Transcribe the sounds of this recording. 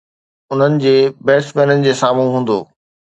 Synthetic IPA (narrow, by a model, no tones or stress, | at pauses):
ʊn̤ənɪ̆d͡ʑeːbɛːsmẽːnənɪ̆d͡ʑeːsaːmũɦũːn̆d̪o̰ː